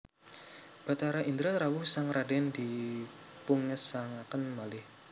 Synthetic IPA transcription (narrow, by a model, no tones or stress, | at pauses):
b̥at̪aɾaʔind̪ɾaɾawʊsaŋradɛndi | puŋəsaŋakənmalɪh